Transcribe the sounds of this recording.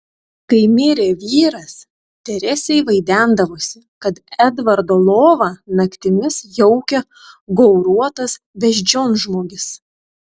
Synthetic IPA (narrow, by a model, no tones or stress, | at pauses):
kɐɪmʲɪɾʲeʋʲiːɾɐs | t̪ʲɛɾʲɛsʲɛɪʋɐɪd̪ʲænd̪ɐʋoːsʲɪ | kɐt̪ɛd̪ʋɐɾd̪oːlˠoːʋɐnɐkʲt̪ʲɪmʲɪsjɔʊkʲɛ | ɡɔʊɾuɔt̪ɐs | bʲɛʃʲd͡ʒʲoːnʒmoːɡʲɪs